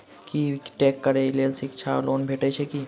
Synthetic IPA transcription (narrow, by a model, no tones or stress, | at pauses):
kiʈɛːkːəɾeleːlsɪkt͡ʃʰa̰loːnbʱeːʈet͡ʃʰeki